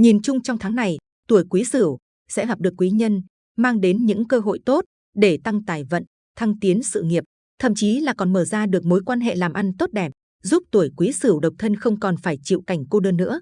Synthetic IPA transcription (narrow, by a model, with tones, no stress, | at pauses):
ɲi˨˩nt͡ɕʊ˧ŋ͡mt͡ɕɔ˧wŋ͡mt̪ʰaː˨˦ŋna˨˩j | t̪u˧˩əjkwi˨˦sɨ˧˩əw | sɛ̰˧˥ɦɔ˨˩p̚ɗɨ˨˩əkːwi˨˦ɲə˧n | maː˧ŋɗe˨˦nɲɨ̰˧˥ŋkəː˧ɦo̰˧˨jt̪o˦˥t̚ | ɗe˧˩t̪a˧ŋt̪aː˨˩jvə̰˧˨n | t̪ʰa˧ŋt̪i˨˦ənsɨ̰˧˨ŋi˨˩əp̚ | t̪ʰə̰˧˨mt͡ɕi˨˦laː˨˩kɔ˨˩nməː˧˩zaː˧ɗɨ˨˩ək̚mo˨˦jkwaː˧nɦḛ˧˨laː˨˩mʔa˧nt̪o˦˥t̚ɗɛ˨˩p̚ | zu˦˥p̚t̪u˧˩əjkwi˨˦sɨ˧˩wɗə˨˩wk͡p̚t̪ʰə˧nxə˧wŋ͡mkɔ˨˩nfaː˧˩jt͡ɕḭ˧˨wka˧˩jŋ̟ko˧ɗəː˧nːɨ̰˧˥ə